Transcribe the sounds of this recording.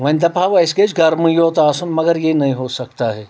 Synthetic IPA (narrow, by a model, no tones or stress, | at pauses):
ʋɐ̃nd̪ɐpaːʋɪsked͡ʒɡɐɾmũjoːt̪aːsunmɐɡəɾjenɐɦĩɦosɐk̚t̪aɦɛː